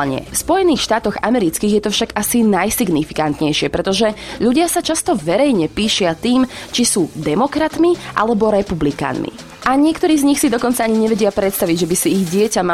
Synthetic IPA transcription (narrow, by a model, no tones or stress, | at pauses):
ɲɛ̰fspɔjɛniːxʃt̪aːt̪ɔɣa̰mɛɾit͡skiːɣjɛt̪ɔfʃaɡasinajsiɡnifi̥kant̪ɲɛjʃɪɛpɾɛt̪ɔʒɛʎuɟɪasat͡ʃast̪ɔʋɛɾɛjɲɛpiːʃɪat̪iːmt͡ʃisuːd̪ɛmɔkɾat̪miʔa̰lɛbɔɾɛpublika̰ːnmḭ | ʔaɲɪɛkt̪ɔɾiːzɲixsid̪ɔkɔnt͡saaɲiɲɛʋɛɟɪapɾɛt̪st̪aʋiɟʒɛbisiːɣɟɪɛcama